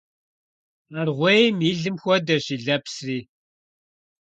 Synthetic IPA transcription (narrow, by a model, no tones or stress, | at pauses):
arʁʷejmiɮɨmxʷɔdɐʃiɮɐpsriː